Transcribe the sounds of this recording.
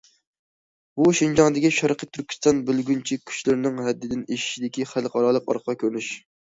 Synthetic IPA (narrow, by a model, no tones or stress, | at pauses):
buʃɪnd͡ʒɑŋd̪ɪkʲiʃɑɾqʰət̪ʰːyɾkʲi̥st̪ɑnbɪlɡʲynt͡ʃʰikʲʰy̥ʃlɪɾnɪŋɦɛd̪ːɪd̪ɪneʃi̥ʃid̪ɪkʲiχælˠqʰɑɾɑlˠəqɑ̰ɾqʰkʲʰøɾnyʃ